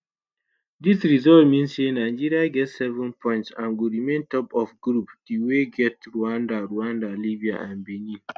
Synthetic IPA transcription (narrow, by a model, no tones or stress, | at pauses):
disɾizɔltmĩnsenãɪd͡ʒiɾiaɡɛtsɛvə̃npʰɔ̃ɪ̃ntsãnɡuɾimẽntʰɔpɔfɡɾupd̥iweɡɛtɹuãndaɾuãndalibia̰ʔãnbenĩ